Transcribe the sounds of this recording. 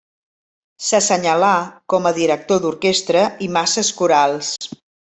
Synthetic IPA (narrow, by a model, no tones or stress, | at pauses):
səsəɲəlakɔməðiɾək̚t̪od̪uɾkest̪ɾəimasəskuɾalˠs